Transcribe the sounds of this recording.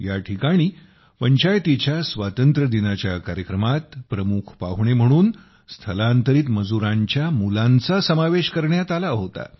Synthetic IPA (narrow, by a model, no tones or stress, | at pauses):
jaʈʰikaɽ̃iː | pəɲt͡ɕajt̪it͡ɕjasʋat̪ənt̪ɾəd̪inat͡ɕjakaɾjəkɾəmat̪pɾəmukʰpa̰ʋɳem̤əɽ̃uːn | st̪ʰəlant̪əɾiːt̪məd͡zuɾãɲt͡ɕjamulãnt͡sasəmaʋeɕkəɾɳjat̪alaɦot̪a̰